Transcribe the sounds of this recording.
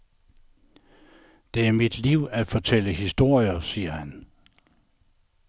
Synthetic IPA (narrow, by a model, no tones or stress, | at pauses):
d̥e̝æɐmid̥liʊ̰æd̥fɒ̽t͡sʰeləhisd̥o̝ɐ̰jɐsiːɐhæn